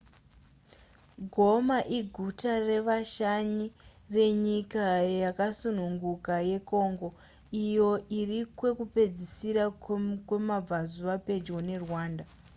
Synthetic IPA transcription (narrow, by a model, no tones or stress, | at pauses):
ɡʱo̞maʔiɡʱutare̞ʋaʃaɲire̞ɲikajakasunuŋɡukaje̞ko̞ːŋɡo̞ | ijo̞ʔirikwe̞kupe̞d͡zisiɾakwe̞mab͡vazuʋape̞d͡ʒwo̞ne̞rwaːnda